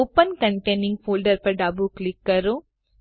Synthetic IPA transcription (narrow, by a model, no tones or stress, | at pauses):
oːpɐnkɐɳʈenĩŋɡfʰoːlɖɐɾpɐɾɖaːbuklikːɐɾoː